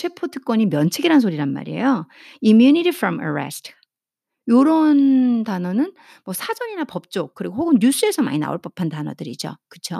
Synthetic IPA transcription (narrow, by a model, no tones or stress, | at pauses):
t͡ɕʰe̞pʰotʰɯk͈wʌɲimjʌnt͡ɕʰeɡiɾansʰoɾiɾanma̰ɾie̞̰jo | imjuniɾifʰɾʌma̰ɹḛstʰ | joɾʌntanʌnɯn | mwʌsʰad͡ʑʌɲinapʌp̚t͡ɕ͈ok̚k͈ɯɾiɡohoɡɯnɲus͈ue̞sʰʌma̰ɲina̰o̰ɭp͈ʌpʰantanʌdɯɾid͡ʑo̰kɯt͡ɕʰo